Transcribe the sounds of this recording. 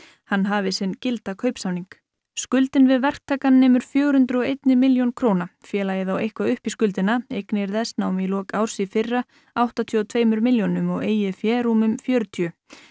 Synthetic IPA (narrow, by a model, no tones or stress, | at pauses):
hanːɦaːvɪsɪncɪlt̪akʰœɥpsawniŋk | skʏlt̪ɪnvɪðvɛr̥k̚t̪ʰaːkanːɛːmʏɾ̥fjœːɣɾ̥hʏnt̪ɾʏɔejt̪nɪmɪljonkʰɾoːwnafjɛːlajɪθawejhkvaʏhpiskʏlt̪ɪnaejknɪɛɾθɛsnawmjɛlɔːkawɾ̥sifɪrːa | awht̪at̪ʰiɔt̪ʰveːjmʏɾmɪljonʏmɔɣeːjɪfjɛːɾuːmʏmfjœːɾt̪ʰjʏ